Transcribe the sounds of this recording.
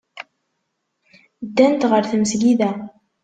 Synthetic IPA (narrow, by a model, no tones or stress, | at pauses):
d̪ːænt̪ʁəɾθməsɡiðæ